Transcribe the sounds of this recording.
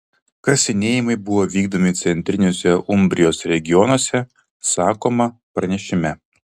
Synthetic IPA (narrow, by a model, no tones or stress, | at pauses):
kɐsʲɪnʲeːjɪmɐɪbʊʋoːʋʲiːɡ̚d̪oːmʲɪt̪sʲɛnʲt̪ʲɾʲɪnʲoːsʲɛʔʊmʲbʲɾʲɪjoːsɾʲɛɡʲɪjɔnɔsʲɛ | sɑːkoːmɐpɾɐnʲɛʃʲɪmʲɛ